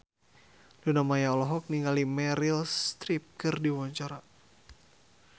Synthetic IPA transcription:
dunamajaɔlɔɦɔk̚niŋɡalimɛɾilst̪ɾip̚kɨrdiwɔɲt͡ʃaɾa

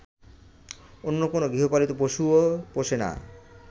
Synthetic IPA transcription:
onːokonoɡɾiɦopalit̪opoʃuopoʃena̰

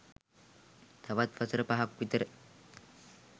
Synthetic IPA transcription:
t̪ʰɐʋat̪fɐsəɾəpaɦakʋit̪əɾə

